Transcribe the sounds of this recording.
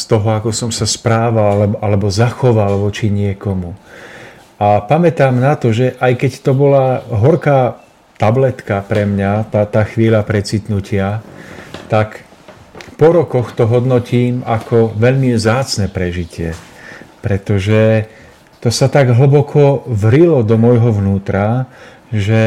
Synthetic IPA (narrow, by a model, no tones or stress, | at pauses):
st̪ɔɦɔakɔsɔmsaspɾaːʋalalɛbɔʔalɛbɔzaxɔʋalʋɔt͡ʃiɲɪɛkɔmu | ʔapamɛt̪aːmnat̪ɔʒɛʔajkɛct̪ɔbɔlaɦɔɾkaː | t̪ablɛt̪kapɾɛmɲat̪at̪aːxʋiːʎapɾɛt͡sit̪nucʰɪa | t̪ak | pɔɾɔkɔxt̪ɔɦɔd̪nɔciːmakʰɔʋɛʎmivzaːt͡snɛpɾɛʒicɪɛ̰pɾɛt̪ɔʒɛ | t̪ɔsat̪aɡɦl̩bɔkʰɔʋɾilɔd̪ɔmɔjɦɔʋnuːt̪ɾa | ʒɛ